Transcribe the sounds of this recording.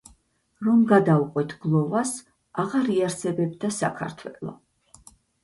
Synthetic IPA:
ɾɔmɡad̪auqʼwɛt̪ʰɡlˠɔvas | aʁaɾiaɾsɛbɛb̚d̪asa̰kʰa̰ɾt̪ʰwɛlˠɔ̰

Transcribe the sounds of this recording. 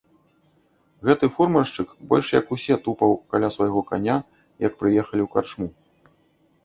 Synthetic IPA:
ɣɛt̪ɨfurmɐʂt͡ʂɨkbɔ̰lʲʂjɐkusʲɛt̪upɐwkalʲasvajɣɔkanʲa | jɐk̚pɾɨjɛxɐlʲiwkart͡ʂmu

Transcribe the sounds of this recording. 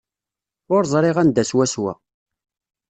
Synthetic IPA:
ʊɾzˤɾˤɪʁænd̪æswæswæ̰

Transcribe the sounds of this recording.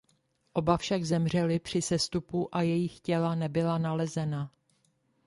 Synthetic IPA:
ʔo̞bafʃaɡzɛmr̝ɛlɪpr̝̥ɪsɛst̪upuʔajɛjɪxcɛlanɛbɪlanalɛzɛna

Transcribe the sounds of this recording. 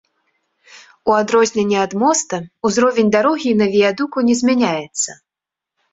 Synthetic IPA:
uad̪ɾɔzʲnʲɛnʲːɛad̪mɔst̪ɐuzɾɔvʲenʲd̪aɾɔɣʲinɐvʲijad̪ukunʲɛzʲmʲanʲajɛt̪sːɐ

